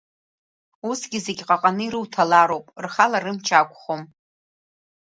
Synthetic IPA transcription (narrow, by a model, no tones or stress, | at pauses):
usɡʲɪze̞ɡʲqʼaqʼanɨiɾɨwtʰalaɾo̞wpʼrχalarɨmt͡ʃʰakʷʼχo̞m